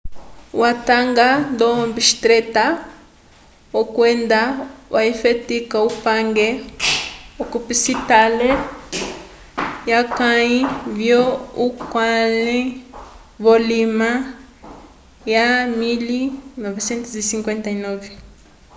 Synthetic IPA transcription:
wataŋɡandɔɔmbiʃi̥t̪ɾɛta | ɔkwɛndawʔaifetikaupaŋɡe | ɔkupisitale | jakaivjɔukwali | βɔlima | jamilinɔvesɛnt̪uzisiŋkwɛntainɔvɛ

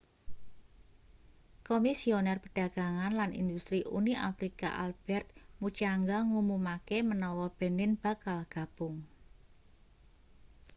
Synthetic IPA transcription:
komisionɛrpəɖ̥a̤ɡ̥a̤ŋanlanḭnd̪ust̪ɾiʔṵniʔa̰fɾika̰ʔa̰lb̥ɛrt̪̚mut͡ʃaŋɡaŋumumakemənɔwɔb̥e̤nɪnb̥a̤kalɡ̥a̤b̥ʊŋ

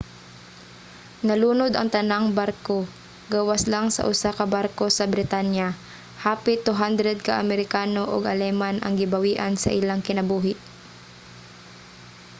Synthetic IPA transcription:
nɐluːnod̪ɐŋt̪ɐnaŋbaɾko | ɡawaslaŋsɐ̰ʔʊsakɐbaɾko̞sɐbɾɪt̪anja | haːpɪt̪uɦand̪ɾɛd̪̚kaʔɐmɛɾɪkaːnoʔo̰ɡɐlɛmanʔɐ̰ŋɡɪbɐwiːʔansɐ̰ʔɪlaŋkɪnɐbuːɦɪʔ

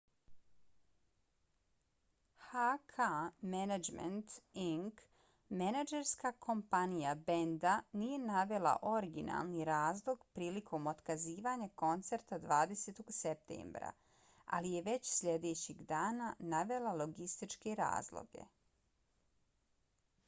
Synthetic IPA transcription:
hakʰamenad͡ʒmḛnt̪iŋk | menad͡ʒeɾskakʰo̞mpanijabe̞nd̪aniːje̞naʋe̞la̰ʔo̞ɾiɡina̰lˠniɾaːzlˠo̞ɡpɾiːlikʰo̞mo̞t̪kaziːʋaːɲako̞nt̪seɾt̪ad̪ʋaːd̪eseːt̪o̞ɡsep̚t̪ḛːmbɾa̰ | a̰lije̞ʋe̞t͡ɕsʎe̞d̪e̞t͡ɕiɡd̪aːnanaʋe̞lalo̞ɡist̪it͡ʃkeɾa̰ːzlˠo̰ɡe̞̰

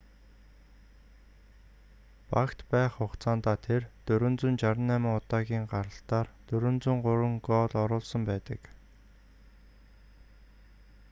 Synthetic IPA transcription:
pakt̪pæːχʊqt͡sʰaːnt̪aːt̪ʰert̪ɵɾɵ̆nt͡sɵ̆nt͡ɕaɾə̆nːæːmɪ̆ŋʊt̪aːɣʲiːŋɢaɾə̆ɬt̪aːrt̪ɵɾɵ̆nt͡sŭŋɢʊɾə̆ŋɡɔːɮɔɾʊːɮsə̆mpæːt̪ə̰̆k

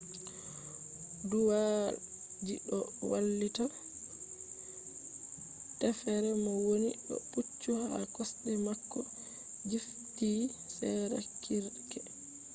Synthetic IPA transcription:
duwa | d͡ʒiɗɔwalːita | tɛfɛɾɛmɔwoniɗɔ̰put͡ʃːuhakɔsɗɛmakːɔ | d͡ʒif | tiːsɛɾa̰kʰiɾkɛ

